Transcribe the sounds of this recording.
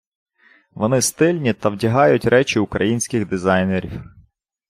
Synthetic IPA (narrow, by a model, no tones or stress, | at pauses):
ʋɔnɪst̪ɪlʲnʲit̪ɐwdʲɐɦɑjʊtʲɾɛt͡ʃʲɪʊkɾɐjinʲsʲkɪɣd̪ɪzɑjneɾʲiw